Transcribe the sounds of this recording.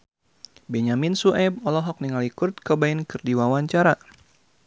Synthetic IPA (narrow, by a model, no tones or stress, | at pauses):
bɛɲaminsuʔɛb̚ɔlɔɦɔk̚niŋalikurt̪̚kəbainkɨrdiwawaɲt͡ʃaɾa